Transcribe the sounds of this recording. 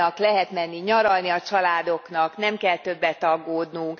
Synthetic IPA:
ɒklɛɦɛt̪mɛnːiɲɒɾɒlniɒt͡ʃɒlaːd̪o̞knɒknɛmkɛlt̪ø̞bːɛt̪ɒɡːoːd̪nuŋk

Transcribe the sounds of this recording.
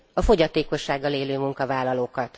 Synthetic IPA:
ɒfo̞ɟɒt̪eːko̞ʃːaːɡːɒleːløːmuŋkɒvaːlːɒloːkɒt̪

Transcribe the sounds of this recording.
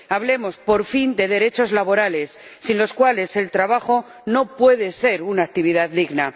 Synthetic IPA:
aβle̞mo̞spo̞ɾfind̪e̞ðe̞ɾe̞t͡ʃo̞zlaβo̞ɾale̞sːinlo̞skwale̞se̞lt̪ɾaβaxo̞ | no̞pwe̞ðe̞se̞ɾunaːk̚t̪iβ̞iðaððiɣna

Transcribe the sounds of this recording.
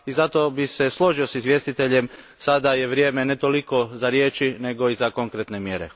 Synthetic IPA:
izat̪o̞bise̞slˠo̞ʒiosizʋje̞st̪it̪e̞ʎe̞m | sad̪aje̞ʋɾjeːme̞net̪o̞liko̞zaɾje̞ːt͡ʃine̞ɡo̞izako̞ŋkɾet̪ne̞mje̞ɾḛ

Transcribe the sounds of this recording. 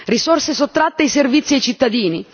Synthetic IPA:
risorsesot̪ːɾat̪ːeajservit̪sːiajt͡ʃit̪ːad̪iːni

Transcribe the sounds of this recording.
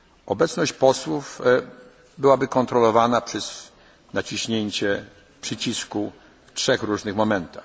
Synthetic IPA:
ʔɔbɛt̪snɔɕt͡ɕpɔswuf | bɘwabɘkɔnt̪ɾɔlɔvanapʂɛs | nat͡ɕiɕɲeɲt͡ɕɛ | pʂɘt͡ɕisku | ftʂɛxɾuʐnɘxmɔmɛnt̪ax

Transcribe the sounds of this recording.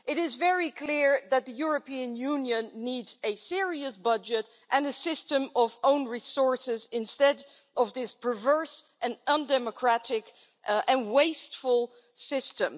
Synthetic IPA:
ʔɨɾɪzvɛɹikʰl̥ɪɹðɨt̪̚ðɨjʊɹɨpĩɨ̃njʉ̃njɨ̃nːidzɨsɪɹiɨsbʌd͡ʒɨɾ | ʔɨ̃nɨsɪstə̃mʌvõʊ̃nɹisɔɹsɪzɪ̃nstɛd | ʔʌvðɪspʰə˞vɜ˞sʔɨ̃nʌ̃ndɛməkʰɹ̥æɾɪk | ʔɨ̃nweɪstfəl̩ˠ | sɪstə̃m

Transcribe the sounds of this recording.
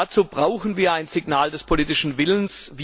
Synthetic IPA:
at͡suːb̥ʁaʊxn̩viːɐaɪnz̥ɪɡnaːldɛspʰoliːtɪʃn̩vɪlənsvi

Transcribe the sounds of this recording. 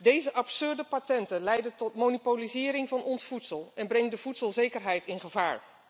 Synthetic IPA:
dejzəʔɑpsʏɹdəpatɛntənlɛjdəntɔtmonipolizɪːɾɪŋvɑnɔnsfutsəlˠɛnbrɛŋdəvutsəlˠzejkəɹɦɛjtɪnχəvaːɹ

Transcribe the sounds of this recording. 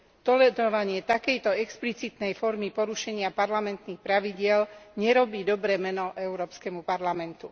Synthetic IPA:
t̪ɔlɛɾɔʋaɲɪɛt̪akɛjt̪ɔɛksplit͡sit̪nɛjfɔɾmipɔɾuʃɛɲɪapaɾlamɛnt̪niːxpɾaʋiɟɪɛlɲɛɾɔbiːd̪ɔbɾɛːmɛnɔʔɛʊɾɔːpskɛmupaɾlamɛnt̪u

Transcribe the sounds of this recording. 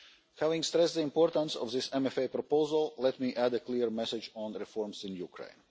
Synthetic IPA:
hævɪ̃ŋɡst̪ɾɛst̪ðəĩmpoɾt̪ə̃nsɔ̰fðɪsɛ̃mɛfepɾɔpoʊzalˠlɛt̪miːʔæd̪əkliɾmɛsɪd͡ʒɔ̃nɾifɔɹmsĩnjukɾḛ̃ɪ̃n

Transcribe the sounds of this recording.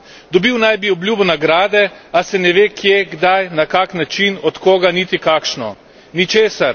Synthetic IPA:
d̪ɔbiwnajbiɔbljuːbɔnaɡɾaːd̪ɛasɛnɛʋeːkʰjeɡd̪ajnakaknat͡ʃinɔt̪koːɡanit̪ikakʃnɔ | nit͡ʃeːsaɾ

